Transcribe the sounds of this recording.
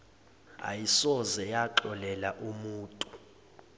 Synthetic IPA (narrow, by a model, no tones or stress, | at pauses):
a̰jisɔzɛjaǃɔlɛlaʔumuːtʼu